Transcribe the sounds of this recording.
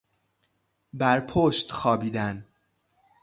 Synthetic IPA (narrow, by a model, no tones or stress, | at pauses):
bæɾpʰoʃt̪xɒːbiːd̪æn